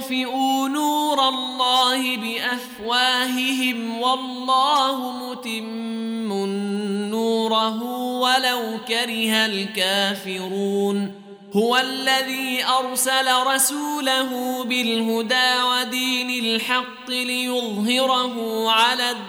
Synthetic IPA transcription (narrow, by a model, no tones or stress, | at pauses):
fɪʔuːnuːɾˤɑlːɑːhɪbɪʔafwaːhɪɦɪm | wɑlˤːɑːhʊmʊt̪ɪmː | ʊnːuːɾˤɑɦuːwalawkaɾɪhalkaːfɪɾuːn | hʊwalːaðiːʔɑɾˤsalaɾˤɑsuːlaɦʊbɪlɦʊd̪aːwad̪iːnɪlħɑqːɨlɪjʊðˤɦɪɾɑɦʊʕalaː